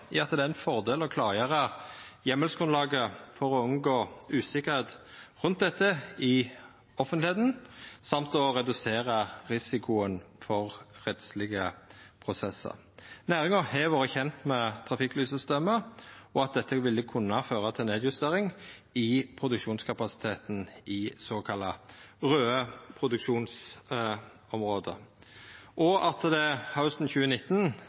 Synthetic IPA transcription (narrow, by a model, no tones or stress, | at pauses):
ɑt̪d̪ɛæɛnfɔʁd̪eːlɔkʰlɑːʁjeːʁə | jɛməlsɡ̥ʁʉnlɑːɡəfɔʁɔʉŋɡoːʉːsɪkəʁheːt̪ʁʉnt̪̚d̪ɛt̪ːəɪ | ɔfənt̪ɪheːd̪n̩sɑmt̪ɔʁɛd̪ʉseːʁɑʁɪsɪkʰʊənfɔʁʁɛt̪slɪɡəpʰʁʊsɛsːə̰ʁ | næːʁɪŋəhɛʋɑːʁəçɛnt̪mɛt̪ʰʁɑfɪklyːsəst̪eːməɔɑt̪̚d̪ɛt̪ːəʋɪlːəkʰʉnːɑføːʁət̪ʰɪlneːd̪jʉst̪eːʁɪŋ | ɪpʰʁʊd̪ʉkʂuːnskʰɑpɑsɪ̥t̪ʰeːt̪n̩ʔɪsoːkʰɑlːɑʁøːəpʰʁʊd̪ʉkʂuːns | ɔmʁoːd̪ə̰ | ʔɔʔɑt̪d̪ɛhaʊst̪n̩çʉːənɪt̪ːn